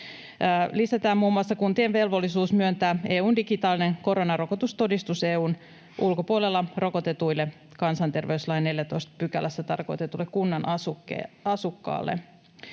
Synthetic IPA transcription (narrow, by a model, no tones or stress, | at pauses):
lisæt̪æːmmuːmːuɑsːɑkunt̪ienʋe̞lʋo̞lːisuːsmyønt̪æːe̞ːuːndiɡit̪ɑːline̞ŋko̞ɾo̞nɑɾro̞kot̪ust̪o̞dist̪use̞ːuːn | ʔulko̞puolelːɑro̞ko̞t̪e̞t̪ujlːe | kɑnsɑnt̪e̞rʋe̞yslɑjneljæt̪o̞jst̪pykælæst̪ːæt̪ɑrko̞̰jt̪e̞t̪ulːekkunːɑnɑuḛɑsukːɑ̰ːlːḛ